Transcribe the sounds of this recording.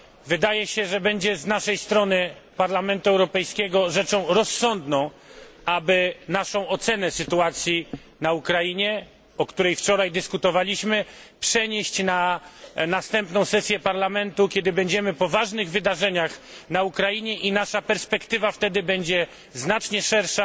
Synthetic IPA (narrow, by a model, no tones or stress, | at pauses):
vɘd̪ajɛɕɛʐɛbɛɲd͡ʑɛznaʂɛjst̪ɾɔnɘpaɾlamɛnt̪uɛwɾɔpɛjskʲɛɡɔʐɛt͡ʂɔ̃w̃ɾɔsːɔnd̪nɔ̃w̃ | abɘnaʂɔ̃w̃ɔt̪sɛnɛsɘt̪uat̪sʲji | naukɾajiɲɛ | ɔkt̪uɾɛjft͡ʂɔɾajd̪ɘskut̪ɔvalʲiɕmɘpʂɛɲeɕt͡ɕnanast̪ɛmpnɔ̃w̃sɛsʲjɛpaɾlamɛnt̪ukʲɛd̪ɘbɛɲd͡ʑɛmɘpɔvaʐnɘɣvɘd̪aʐɛɲaxnaukɾajiɲɛʔinaʂapɛɾspɛkt̪ɘvaft̪ɛd̪ɘbɛɲd͡ʑɛ | znat͡ʂɲɛʂɛɾʂa